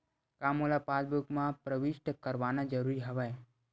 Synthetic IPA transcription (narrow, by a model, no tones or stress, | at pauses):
kamolapad̪̚bukmãpɾəʋiʃʈəkəɾʋaːnad͡ʒəɾuɾiɦəʋə